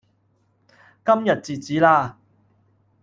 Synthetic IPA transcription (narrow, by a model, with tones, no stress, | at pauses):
kɐ˥mjɐ˨t̚t͡siː˨˩t͡siː˨˥laː˧